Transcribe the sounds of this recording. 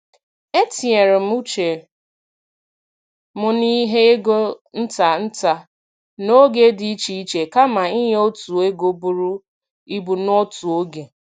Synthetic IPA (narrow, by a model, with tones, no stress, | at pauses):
e˦ti˨e˨ɾɪ˨m̩˦u˦t͡ʃe˨ | mʊ˨ni˦ɦe˦e˦ɡo˦n̩˦ta˨n̩˦ta˨ | no˦ɡe˦di˦t͡ʃi˦i˦t͡ʃe˨ka˦ma˨i˦ɦe˦o˦tu˨e˦ɡo˦bu˨ɾu˦ | i˦bu˨nɔ˦tu˨o˦ɡe˨